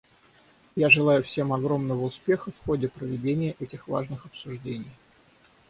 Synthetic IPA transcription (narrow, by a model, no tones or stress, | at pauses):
jaʐɨlˠajʊfsʲe̞mɐɡɾo̞mnəvəʊspʲe̞xəfxodʲɪpɾəvʲɪdʲenʲɪjəʔɛtʲɪxva̰ʐnɨxɐpsʊʐdʲenʲɪj